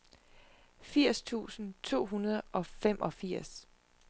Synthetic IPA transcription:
fiɐ̰st͡sʰṵːsn̩t͡sʰo̝̰ːɦunɐð̞ˠɒ̽fem̰ʔɒ̽fiɐ̰s

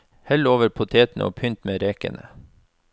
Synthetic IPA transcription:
hɛloːʋəɾpʰʊt̪ʰeːt̪n̩ʔo̰ːpʰʏnt̪meːɾeːkə̰nʔə̰

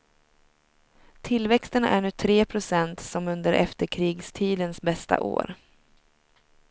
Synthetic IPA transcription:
t̪ʰɪlvɛkst̪ənæ̰ɳʉ̟ːt̪ʰɾeːpʰɾʊsɛnt̪sɔmɵnd̪əɾʔɛ̰ft̪əɾkʰɾiːɡst̪ʰiːd̪ənsbɛst̪a̰ʔo̰ːɾ

